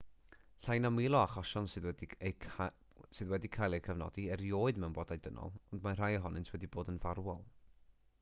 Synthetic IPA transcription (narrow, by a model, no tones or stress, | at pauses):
ɬajnamwɪlˠɔaχɔʃɔnsɨðwɛde | sɨðwɛdikʰajlˠejkʰəvnɔ̰diɛɾjoːɨdmɛwnbɔdajdənɔ̰lˠɔndmanr̥ajəɦɔnɨntʰwɛdiboːdənvarwɔlˠ